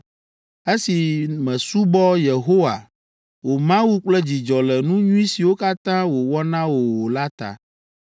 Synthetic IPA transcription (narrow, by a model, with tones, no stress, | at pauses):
e˦si˨mɛ̃˨su˦bɔ˦je˨ɦo˦wa̰˨ | wo˨mã˦wu˦k͡plɛ˦d͡ʑi˨d͡ʒɔ˨lɛ˨nũ˦ɲũ˦i˦si˨wo˦ka˦t̪ã˦wo˨wɔ˦nã˦wo˨wo˨la˦t̪a̰˨